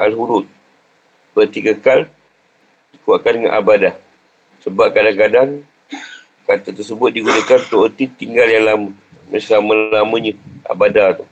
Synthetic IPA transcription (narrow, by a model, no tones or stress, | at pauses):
ʔalɦuɾʊt̪̚ | bət̪ikəkal | dikuwaʔkandəŋa̰nʔa̰badah | səbap̚kadaŋkadaŋ | kat̪ət̪ərsəbʊt̪̚diɡunakant̪oʔət̪it̪iŋɡaljaŋlamə | məsaməllamə̃ɲəa̰badat̪u